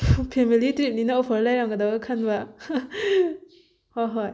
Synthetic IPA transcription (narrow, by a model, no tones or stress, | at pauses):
pʰemilitɾip̚ninɐopʰɐɾlajɾaŋɡɐdaɡɐkʰɐnbɐ | hojɦoj